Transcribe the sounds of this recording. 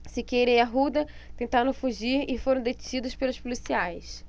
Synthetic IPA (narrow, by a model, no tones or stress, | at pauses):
sɪkeɾẽj̃ɐɦud̪ɐ | t̪ẽnt̪aɾɐ̃w̃fuʒiɾɪfoɾɐ̃d̪et͡ʃid̪ʊspelʊspulisiajs